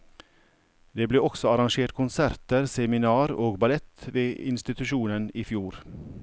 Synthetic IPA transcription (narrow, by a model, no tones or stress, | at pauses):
d̪eːbleːɔksɔɑɾɑŋʃeːʈkʰʊnsæɾt̪əɾsɛmɪnɑːɾoːɡbɑlɛt̪ʋeːɪ̰nst̪ɪt̪ʉʃuːnəniːfjuːɾ